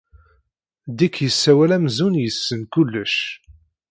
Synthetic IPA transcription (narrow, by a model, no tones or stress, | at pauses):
d̪ikːjəsːæwælæmzunjəsːənkulːəʃ